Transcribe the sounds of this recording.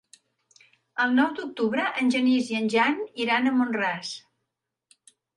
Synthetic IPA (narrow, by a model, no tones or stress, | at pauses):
əlˠnɔwd̪uk̚t̪uβɾəʔənʲʒəniziənʲʒaniɾanəmonras